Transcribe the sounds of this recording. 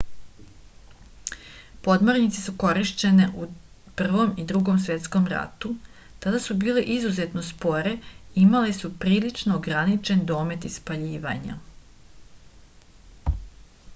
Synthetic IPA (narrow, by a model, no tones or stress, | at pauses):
po̞d̪moɾnit̪sisuko̞ɾiʃt͡ɕe̞neʔu | pr̩ʋo̞mid̪ɾuɡo̞msʋe̞t̪sko̞mɾa̰t̪u | t̪ad̪asubiːleʔizuze̞t̪no̞spo̞ɾe̞imalesupɾiːlit͡ʃnoːɡɾanit͡ʃe̞nd̪o̞ːme̞t̪ispaʎiːʋa̰ɲa̰